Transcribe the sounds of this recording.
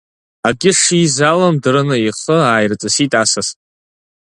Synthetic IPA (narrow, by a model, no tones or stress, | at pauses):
aɡʲɪʂizalamdrɨnɨiχəaːjrt͡sʼɨsitʼasasʼ